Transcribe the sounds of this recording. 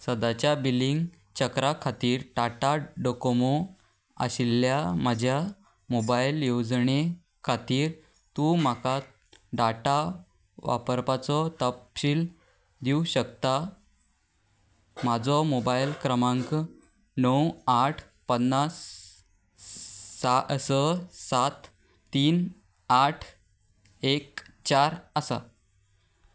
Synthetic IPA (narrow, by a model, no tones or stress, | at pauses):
səd̪at͡ɕjabiliŋɡ | t͡ɕəkɾakʰat̪iːɾɖaʈaɖokomo | a̰ɕiljaməd͡ʑʱja | mobajiljod͡zɳe | kʰat̪iːɾ | t̪um̤aka | ɖaʈa | ʋa̰pəɾpat͡sɔt̪əpɕiːl | d̪ʱiuɕəkt̪a | mad͡zɔmobajlkɾəmãŋk | nəwaʈʰ | pənːas | asəsat̪ː | iːn | aʈʰ | ekt͡ɕaɾəsa̰